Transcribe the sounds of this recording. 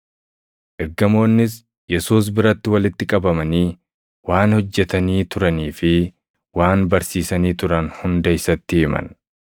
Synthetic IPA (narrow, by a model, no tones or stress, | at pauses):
ʔɛɾɡɐmo̞ːnːɪs | jɛsuːs̬bɪɾɐt̪ːɪwɐlɪt̪ːɪkʼɐbɐmɐniː | waːnhɔd͡ʒːɛt̪ɐniːt̪ʊɾɐniːfɪ | waːnbɐɾsiːsɐniːt̪ʊɾɐnhʊnd̪ɐɪsɐt̪ːɪɪmɐ̰n